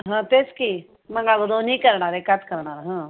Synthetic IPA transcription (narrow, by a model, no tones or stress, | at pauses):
ɦãt̪eski | mɐŋɡaːɡod̪onikɐɾɳaɾekat̪kɐɾɳaɾɦãː